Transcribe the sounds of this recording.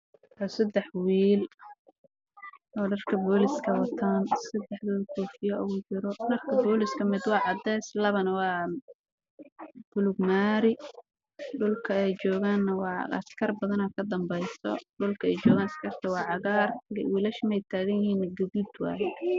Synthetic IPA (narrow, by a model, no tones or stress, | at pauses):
ɔsɐd̪ɛħwiːl | ɔːɖɐrkʰɐbɔːlɪskʰɐwɐt̪ʰaːnsɐd̪ɛħwʊːlkʰuːfɪjɐʔʊ̰ɣʊt͡ʃɪɾɔnɐrkʰɐbɔːlɪskʰɐmɪd̪wɑːʕɑd̪ɛːslɐβɐnɐwɑː | b̥ʊlʊɡmaːɾɪ | ɖʊlkʰɐɛjt͡ʃɔːɣaːnːɐwɑɐ̰skʰɐrbɐðɐnɐkʰɐd̪ɐmbɛjsɔ̰ɖʊlkʰɐɛjt͡ʃɔːɣaːnɐskʰɐrt̪ʰɐwɑːʕɑɣaːrɡwiːlɐʃmɛjt̪ʰaːɣɐjɪɦiːnːɐɡɐðud̪wɑ̰ːjɛ